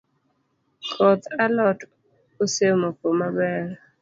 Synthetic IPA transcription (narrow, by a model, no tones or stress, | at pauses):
kʰɔt̪alɔt | osemokomabɛɾ